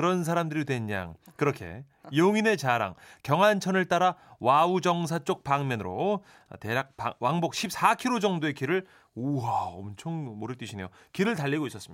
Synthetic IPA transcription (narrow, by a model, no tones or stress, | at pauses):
kɯɾʌns̬ʰaɾamdɯɾidwe̞ɲːa̰ŋkɯɾʌkʰe̞̰ | joŋine̞t͡ɕaɾa̰ŋkjʌŋɦant͡ɕʰʌnɯɭt͈aɾawaud͡ʑʌŋs̬ʰat͡ɕ͈ok̚paŋmjʌnɯɾo̰ | te̞ak̚pa̰waŋbok̚ɕʰip̚s͈akʰiɾod͡ʑʌŋdoe̞kiɾɯɭ | uaʌmt͡ɕʰoŋmoɾɯɭt͈wiɕʰinejo | kiɾɯɭtaʎːiɡois͈ʌs͈ɯmia